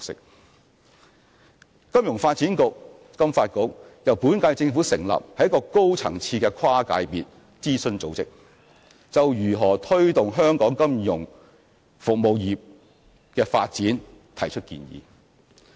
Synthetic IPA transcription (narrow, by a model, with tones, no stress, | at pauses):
ksɪ̰˨k̚ | kɐ˥mjʊ˨˩ŋfaː˧t̚t͡siː˨˥nkʊ˨k̚ | kɐ˥mfaː˧t̚kʊ˧˥k̚jɐ˨˩wpuː˨˥nkaː˧jt͡sɪ˧ŋfuː˨˥sɪ˨˩ŋlɐ̰˨p̚hɐ˨jɐ˥kɔː˧ko˥wt͡sʰɐ̰˨˩ŋt͡sʰiː˧kɛː˧kʰwaː˥ka̰ː˨˧˥jpiː˨t̚ | t͡siː˥sɵ˧nt͡so˨˥wt͡sɪ˥k̚ | t͡sɐ˨wjyː˨˩ɦɔː˨˩t̪ʰɵ˥ɥt̪ʊ˨ŋɦœː˥ŋkɔː˨˥ŋkɐ˥mjʊ˨˩ŋ | fʊ˨k̚mo˨˧wjiː˨˩p̚ | kɛː˧fa̰ː˧t̚t͡siː˨˥n | t̪ʰɐ˨˩jt͡ʃʰɵ˥t̚kḭː˧njḭː˨˧